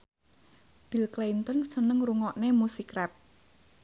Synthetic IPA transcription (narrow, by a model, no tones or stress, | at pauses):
b̥ilklent̪ɔnsənəŋruŋɔʔnemusikɾɛp̚